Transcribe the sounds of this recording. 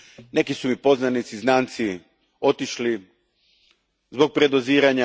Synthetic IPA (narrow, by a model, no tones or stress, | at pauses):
ne̞kisumipo̞znanit̪siznaːnt̪si | o̞t̪iʃli | zbo̞ɡ̚pɾe̞d̪oziːɾaɲa